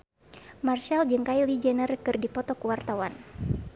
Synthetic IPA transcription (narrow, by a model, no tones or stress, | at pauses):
marʃald͡ʒɨŋkailid͡ʒənərkɨrdipɔt̪ɔkuwart̪awan